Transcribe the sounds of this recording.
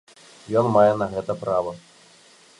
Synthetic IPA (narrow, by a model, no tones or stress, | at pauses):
jɔnmajɛnɐɣɛt̪ɐpɾavɐ